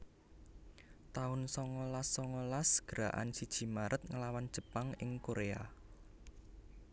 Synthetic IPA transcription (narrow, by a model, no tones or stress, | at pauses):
t̪aʊnsɔŋɔlasːɔŋɔlasɡ̥əɾa̰ʔa̰nsid̥ʒ̥i̤maɾʔət̪̚ŋəlawand̥ʒ̥ə̤paŋɪŋkoɾea